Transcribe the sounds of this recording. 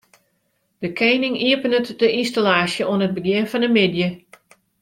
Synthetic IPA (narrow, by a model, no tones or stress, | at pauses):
d̥əkʰejnɪŋiəpənətdəʔinstalaːsjəʔoənɦət̚bəɡjɪnfɔnəmɪdjə